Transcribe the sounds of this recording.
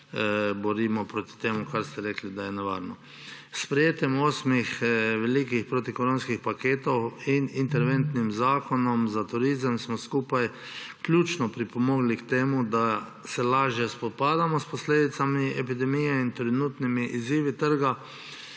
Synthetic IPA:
bɔɾiːmɔpɾoːt̪i̥t̪eːmukaɾst̪ɛɾɛːklid̪ajɛnɛʋa̰ːɾnɔ | spɾɛjeːt̪jɛmoːsmixʋɛliːkixpɾot̪ikɔɾõnskixpakeːt̪ɔwinint̪ɛɾʋɛnt̪nimzaːkɔnɔmzat̪ʊɾiːzəmsmɔskuːpaj | klʲuːt͡ʃnɔpɾipɔmɔːɡlikt̪eːmud̪a | sɛlaːʒjɛspɔt̪̚paːd̪amɔspɔsleːd̪it̪samiɛpid̪ɛmijɛint̪ɾɛnuːt̪nimiʔiziːʋit̪əɾɡa

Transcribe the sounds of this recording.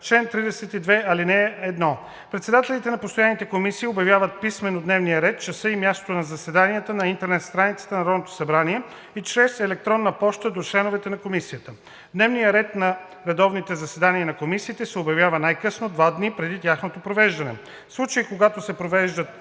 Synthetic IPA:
t͡ʃlɛnt̪ɾid̪ɛsɛt̪id̪vɛɐlinɛɛd̪nɔ | pɾɛt̪sɛd̪at̪ɛlit̪ɛnɐpost̪ojanit̪ɛkomisiːobjɐvʲjavət̪̚pismɛnod̪nɛvnijəɾɛt̪̚t͡ʃɐsɤimʲjast̪o̥t̪onɐzɐsɛd̪anijət̪ənɐint̪ɛɾnɛt̪st̪ɾanit̪sə̥t̪ənɐɾɔd̪not̪o̥sɐbɾaniɛ | it͡ʃɾɛsɛlɛk̚t̪ɾɔnːəpɔʃt̪əd̪ot͡ʃlɛnovɛt̪ɛnɐkomisijət̪ə | d̪nɛvnijəɾɛt̪nɐ | ɾɛd̪ɔvnit̪ɛzɐsɛd̪aniɐnɐkomisiːt̪ɛsɛobjɐvjavənajkɤsnod̪vad̪nipɾɛd̪it̪ʲjaxnot̪opɾovɛʒd̪ɐnɛ̰ | slˠut͡ʃəikoɡat̪osɛpɾovɛʒd̪ət̪

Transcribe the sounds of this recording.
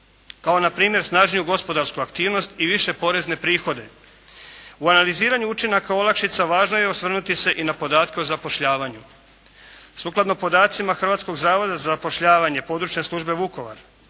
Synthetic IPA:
kao̞napɾiːmje̞ɾsnaːʒnijuɡo̞spo̞d̪aɾskuakt̪iːʋno̞st̪iʋiʃe̞po̞ɾe̞zne̞pɾiːxo̞d̪e̞ | uanaliziːɾaɲuut͡ʃinakao̞lakʃit̪saʋaːʒno̞je̞osʋr̩nut̪ise̞ʔinapo̞d̪aːt̪keozapo̞ʃʎaːʋaɲu | suklˠad̪nopo̞d̪aːt̪simaxɾr̩ʋat̪sko̞ɡzaːʋo̞d̪azazapo̞ʃʎaːʋaɲe̞po̞d̪ɾut͡ʃne̞slˠuʒbe̞ʋuko̞ʋa̰ɾ

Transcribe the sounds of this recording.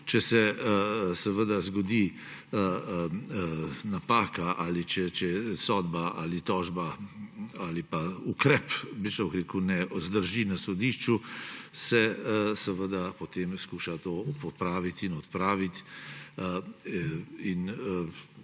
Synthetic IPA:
t͡ʃɛsɛ | sɛʋəd̪azɡɔd̪i | napaːkaʔalit͡ʃɛt͡ʃɛsɔd̪baʔa̰lit̪ɔːʒba | alipaukɾɛpbit͡ʃɐukɾeːkunɛʔɔzd̪əɾʒinasɔd̪iʃt͡ʃusɛsɛʋəd̪apɔt̪eːmskuːʃat̪oːpɔpɾaːʋit̪inɔt̪pɾaːʋit̪ | in

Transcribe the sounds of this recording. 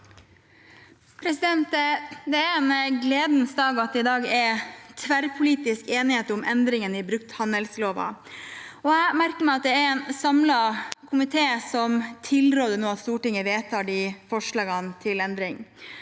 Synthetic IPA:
pʰɾɛsɪd̪ɛnt̪d̪ɛæɾɛnɡleːd̪n̩sd̪ɑːɡɑt̪ɪd̪ɑːɡɛɾt̪ʰʋæɾpʰʊliːt̪ɪskeːnɪheːt̪ʊmʔɛnd̪ɾɪŋənɪbɾʉk̚t̪hɑnəlsloːʋɑ̰ | ɔæmæɾkəmɛɪɑt̪̚d̪ɛæɾɛːnsɑmlɑkʰʊmɪt̪ʰeːsɔmt̪ʰɪlɾoːd̪ənoːɑt̪st̪uːʈɪŋːəʋeːt̪ʰɑːɖɪfɔʂɭɑːɡɑnt̪ʰɪlɛnd̪ɾɪŋ

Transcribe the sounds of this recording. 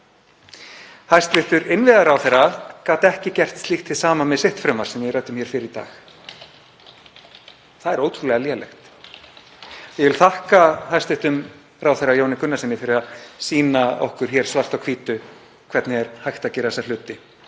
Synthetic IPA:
hajst̪vɪht̪ʏɾɪnvɪðaɾaːwθejrːakaːt̪ɛhcɪcɛr̥t̪st̪ixt̪θɪsaːmamɛðsɪht̪fɾœmaɾ̥sɛmvjɪrœɥt̪ʏmçjɛɾ̥fɪɾɪɾit̪a̰ːx | θaðɛɾoːwt̪ʰɾulɛɣaljɛlɛ̰xt̪ | jɛvɪlθahkahajst̪vɪht̪ʏm | raːwθerajoːwnɪkʰʏnːasɪnːɪfɪɾɪɾaðsiːnaɔ̰hkʏɾ̥çɛɾ̥svar̥t̪awkʰv̥iːt̪ʏ | kʰvɛɾt̪nɪɛɾ̥hajxt̪acɛɾasalʏːt̪ɪ

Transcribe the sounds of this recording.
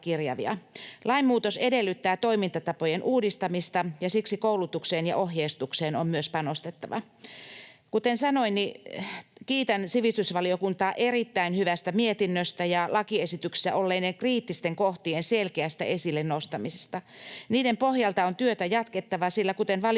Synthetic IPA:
kirjɑ̰ʋḭɑ̰lʔɑimmuːt̪osedelːyt̪ːæːt̪oimint̪ɑt̪ɑpojenʔuːdist̪ɑmist̪ɑjɑsiksikoulut̪ukseːnjɑ̰ʔohjeist̪ukseːnommyøspɑnost̪et̪ːɑʋɑ̰ | kut̪ensɑnoinni | kiːt̪ænsiʋist̪ysʋɑliokunt̪ɑːʔerit̪ːæinhyʋæst̪æmiet̪inːøst̪æjɑlɑkiesit̪ykse̥sæ̰ʔolːeinːeŋkriːt̪ːist̪eŋkoht̪ienselkeæst̪æ̰ʔesilːennost̪ɑmise̥st̪ɑniːdempohjɑlt̪ɑont̪yøt̪æjɑt̪ket̪ːɑʋɑsilːækut̪enʋɑl

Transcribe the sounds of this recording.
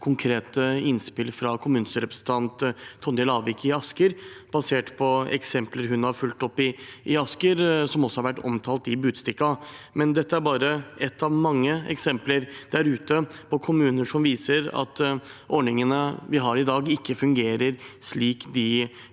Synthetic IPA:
kʰʊŋkʰɾeːt̪əɪnspɪlfɾɑkʰʊmʉːnsəɾɛpɾəsən̩t̪ʰɑnt̪ʰːɔnːɪlɑːʋɪkɪɑskəɾb̥ɑseːʈpʰɔɛ̰ksɛmpləɾɦʉnhɑɾfʉlt̪ɔpːɪʔɪɑskəɾsɔmɔsːɔhɑɾʋæʈːɔ̰mt̪ʰɑːlt̪ɪbʉːd̪st̪ɪkːɑmɛnd̪ɛt̪ːəæɾbɑːɾəɛt̪ːɑʋmɑŋːəɛ̰ksɛmpləɾd̪̥æɾʉːt̪əpʰɔkʰʊmʉːnəʂɔmʋiːsəɾɑ̰t̪ɔɖɳɪŋənəʋɪɦɑɾɪd̪ɑːɡɪkːəfʉŋɡeːɾəɾʂliːkd̪ɪ

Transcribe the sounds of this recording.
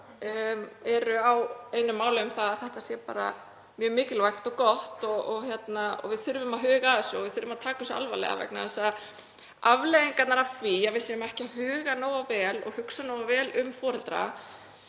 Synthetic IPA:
ɛɾʏaweːjnʏmːaːwlɪʏmθaðaθɛht̪asjɛpa̰ːɾa̰ | mjœːmɪːcɪlvajxt̪ɔkɔht̪ɔɔɣçjɛt̪naɔ̰vɪðθʏɾvʏmaðɦʏːɣaðɪsɔvɪðθʏɾvʏmaðt̪ʰaːkasɔa̰lva̰lɛ̰ɣa̰vɛ̰knaɛsa | avleðiŋkat̪naɾafθvijavɪsjɛmaɛhcɪahʏːɣanoːwavɛːlɔ̰ɣhʏksanoːwavɛːlʏmfɔːɾɛlt̪ɾa̰

